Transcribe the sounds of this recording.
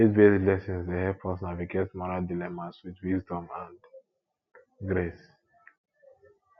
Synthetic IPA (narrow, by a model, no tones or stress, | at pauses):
etvetilɛsĩnsdehɛfɔsnaviɡetmɔɹaldilɛmaswitwisdɔ̃mãnd | ɡɾes